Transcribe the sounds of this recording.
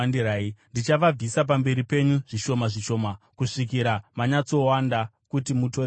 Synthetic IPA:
andiɾaːindit͡ʃaʋab͡visap̬ambe̞ɾipe̞ɲuʐiʃo̞maʐiʃo̞makuʂik̬iɾamaɲat͡so̞wanda | kutimuto

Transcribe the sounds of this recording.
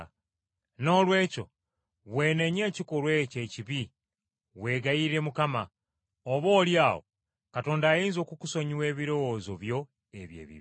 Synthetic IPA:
no̞ːlwe̞ːco̞̰ | βwe̞ːne̞ɲe̞ːciko̞lwe̞ce̞ciβi | βwe̞ːɡajiɾe̞mukama | oβo̞ːljaːho̰ | kato̞ːndaːjiːnzo̞ːkuku̥so̞ɲiwe̞ːβiɾo̞wozo̞βjo̞ | eβjḛːβḭβ

